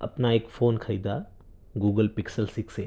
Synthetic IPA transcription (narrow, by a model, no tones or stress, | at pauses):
ɐ̰pnaeːkfoːnkʰɐiːd̪a | ɡuːɡəlpɪksəlsɪkseː